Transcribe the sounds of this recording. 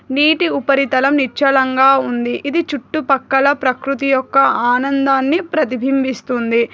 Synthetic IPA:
niːʈiupɐɾit̪ɐlɐmnit͡ʃːɐlɐŋɡaːund̪iʔid̪it͡ʃuʈːupɐkːɐlɐpɾɐkɾut̪ijɔkːɐaːnɐnd̪aːnːipɾɐt̪ibʱimbist̪und̪i

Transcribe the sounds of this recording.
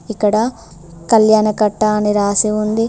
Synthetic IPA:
ikːɐɽɐ | kɐljaːnɐkɐʈːaːniɾaːsiund̪i

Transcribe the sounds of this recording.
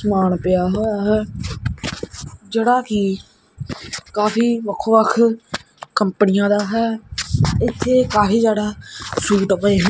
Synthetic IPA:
smaːnpɪjaːɦoːjaːɦɛː | d͡ʒeːɽaːki | kaːfiːʋəkʰːoːʋəkʰ | kəmpənɪjãːd̪aːɦɛː | ɪt̪ʰːeːkaːfiːd͡ʒaːɽaːsuːɡt̪pəeːɦɛ

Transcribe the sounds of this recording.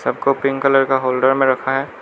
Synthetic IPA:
sɐb̚ʱkopɪ̃ŋkələɾkaɦoːlɖəɾmẽɾɐkʰaɦɛː

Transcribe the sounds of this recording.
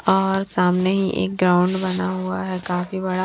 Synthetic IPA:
ɔːɾsaːmneɦiʔḛːk̚ɡɾaːʊ̃ɳɖbɐnaɦuaɦɛkaːfibɐɽa

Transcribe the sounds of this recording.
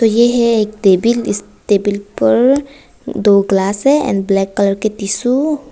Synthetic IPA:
t̪ojeɦɛek̚ɖebilis | ʈebilpəɾ | d̪oɡlasɛɛ̰̃nɖblɛkːələɾket̪isu

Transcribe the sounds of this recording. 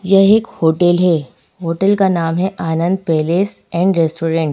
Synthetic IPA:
jɛɦekhoːʈəlɦɛ | ɦoːʈəlkanaːmɦɛʔaːnə̃nd̪̚peːleːsɛ̃ːɳɖɾeːsʈoːɾẽɳʈ

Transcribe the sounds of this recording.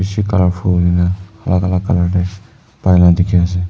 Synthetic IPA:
isikalapʰulinaalʔaɡalakalaʈe | pajlad̪ikʰijas̬e

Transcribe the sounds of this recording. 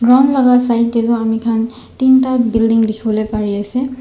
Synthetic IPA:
ɡɹɔmlɔɡatsajtːɛzɔamikʰan | tintabildiŋdikʰibɔlejpaɹiasɛ

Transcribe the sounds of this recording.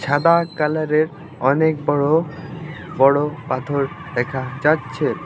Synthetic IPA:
t͡ɕʰad̪akalaɾeɾ | ɔnek̚bɔɽo | bɔɽopat̪ʰoɾd̪ɛkʰad͡ʑatːɕʰe

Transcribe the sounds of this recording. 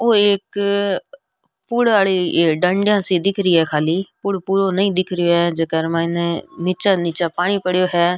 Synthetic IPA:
oːek | puːɽaːɭiːɖəɳɖjãːsiːd̪ɪkʰɾɪiːɛːkʰaːliːpʊɽpuːɾoːnəĩːd̪ɪkʰɾɪjoːɦɛːd͡ʒeːkəɾmãːneniːt͡ʃaːniːt͡ʃaːpaːɽ̃iːpəɽjoːɦɛː

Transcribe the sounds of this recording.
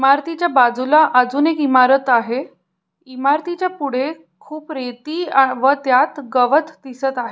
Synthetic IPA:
imaɾt̪ʰit͡ɕjabad͡zulaʔəd͡zuːnekimaɾət̪aɦe | imaɾt̪it͡ɕjapuɽ̤e | kʰuːpɾet̪iːaʋət̪jat̪ɡəʋət̪d̪isət̪aɦe

